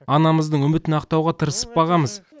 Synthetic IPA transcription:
ɑnɑməzd̪əɴɵmɪt̪ɪnɑqt̪ɑwʁɑt̪ʰəɾəsə̥p̚bɑʁɑməz

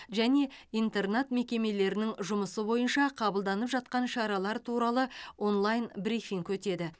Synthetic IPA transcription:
ʒæne̞int̪e̞rnet̪me̞kʲe̞me̞le̞ɾɪnɪŋʒʊməsəbo̞jənʃɑqʰɑbəlˠd̪ɑnəpʒɑt̪̚qɑnʃɑɾɑlˠɑɾt̪ʰuɾɑlˠəwo̞nlˠajnbɾifiŋkɵt̪e̞d̪ɪ

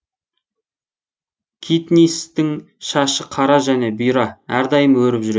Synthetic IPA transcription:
kʲʰit̪nist̪ɪŋ | ʃɑʃəqʰɑɾɑʒæne̞bijɾɑæɾd̪ɑjəmwɵɾɪpʒʏɾe

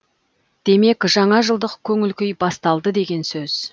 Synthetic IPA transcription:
d̪̥e̞me̞kʒɑɴɑʒəlˠd̪əqkʲʰɵŋɪlkʲejbɑst̪ɑlˠd̪əd̪e̞ɡʲe̞nsɵz̥

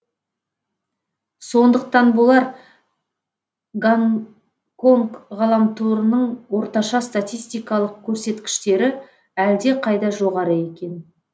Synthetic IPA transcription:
so̞nd̪əq̚t̪ɑnbolˠɑɾ | ɡaŋ | ko̞ŋkʁɑlˠɑmt̪ʰuɾənəɴwo̞ɾt̪ɑʃɑst̪at̪ʲijst̪ijkɑlˠəq̚kʲʰɵɾse̞t̪kʲɪ̥ʃt̪e̞ɾɪ | æld̪e̞qʰɑjd̪ɑʒo̞ʁɑɾəe̞kʲe̞n

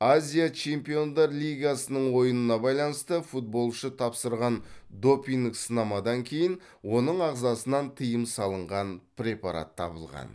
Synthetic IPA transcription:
azʲijat͡ʃʰe̞mpijo̞nd̪ɑɾlʲijɡasənəɴwo̞jənənɑbɑjlˠɑnəst̪əfut̪̚bo̞lˠʃət̪ʰɑpsəɾʁɑnd̪o̞piŋksənɑmɑd̪ɑŋkʲʰe̞jɪn | wo̞nəɴɑʁzɑsənɑnt̪ʰəjəmsɑlˠəɴʁɑnpɾʲe̞pɑɾa̰t̪ʰːɑ̰bə̰lˠʁɑ̰n

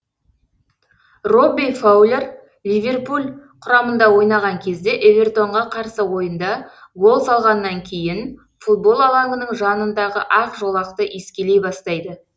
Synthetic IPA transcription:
ro̞bijfawlʲe̞r | lʲijvʲe̞rpulʲqʰʊɾɑmənd̪ɑwo̞jnɑʁɑŋkʲʰe̞zd̪e̞ʔevʲe̞rt̪o̞ɴʁɑqʰɑɾsəwo̞jənd̪ɑwo̞lˠsɑlˠʁɑnːɑŋkʲʰe̞jɪn | fut̪̚bo̞lˠɑlˠɑŋɡənəɴʒɑnənd̪ɑʁə̰ʔɑfʒo̞lˠɑqt̪əʔeskʲe̞le̞jbɑst̪ɑjd̪ə

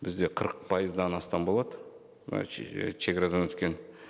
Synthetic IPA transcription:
bɪzd̪e̞qʰəɾəq̚pʰɑjəzd̪ɑnɑst̪ɑnbo̞lˠɑd̪ə | ɑ̰ʃeɡʲɑɾɑd̪ɑnwɵt̪kʲe̞n

